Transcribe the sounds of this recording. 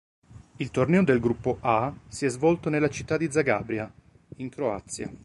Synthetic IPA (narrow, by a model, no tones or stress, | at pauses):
ilt̪ornɛod̪elɡɾupːoʔasiɛzvɔlt̪onelːat͡ʃit̪ːad̪ːid̪zaɡaːbɾja | iŋkɾoa̰t̪sːja̰